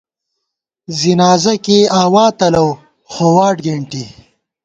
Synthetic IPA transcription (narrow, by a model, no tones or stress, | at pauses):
zinaːzɐkeaːwaːt̪ɐlɐw | xowaːʈɡeɳʈi